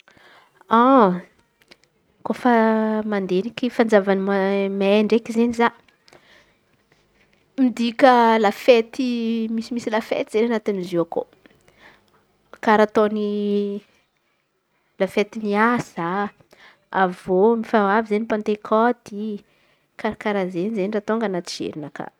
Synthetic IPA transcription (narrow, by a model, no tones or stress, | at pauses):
a | kofəmand̪enikifand͡zavanimamaeɳɖ͡ʐekizeniza | mid̪ikʲəlafet̪imisimisilafḛt̪izenanat̪iniziako̰ | kaɾat̪oni | lafet̪iniaz̥a | avomifaavizenipant̪ekʰɔd̪̥i | kaɾakaɾazenizenirat̪oŋɡanat̪i̥ʒ̥ḛɾinaka̰